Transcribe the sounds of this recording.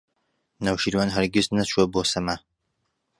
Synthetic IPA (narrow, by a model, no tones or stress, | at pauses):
nawʃiɾwanɦɐɾɡɪznɐt͡ʃʰuɐboːsɐmɐ